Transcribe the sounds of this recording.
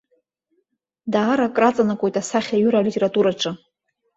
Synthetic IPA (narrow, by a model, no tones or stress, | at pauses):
daːɾakʼrat͡sʼanakʷʼojtʼasaχʲaɥyɾalitʰʲʼeɾatʼuɾaʈ͡ʂʷʰɨ